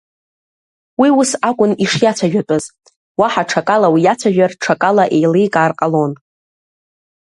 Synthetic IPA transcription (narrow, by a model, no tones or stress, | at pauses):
wiwʊsakʷʼʊniʂjat͡sʷʰaʒᶣapʼɨz | waħaʈ͡ʂʰakʼalawijat͡sʷʰaʒᶣarʈ͡ʂʰakʼalaʔejlejkʼaːrqʼalo̞n